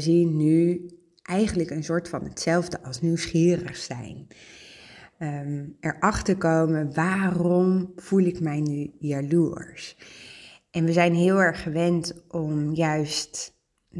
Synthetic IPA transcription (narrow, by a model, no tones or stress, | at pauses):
zinːy | ʔɛjχənləkənsʊːɹtfɑnətsɛlˠvdəʔɑlˠsnywsχiːrəχsɛ̰jn | ɛɹʔɑχtəɹkowmənʋaːrɔmv̥ulɪkmɛjnyjaluəɹs | ʔɛnʋəzɛjnɦɪːlˠɛɹχəʋɛntʔɔmjœɥst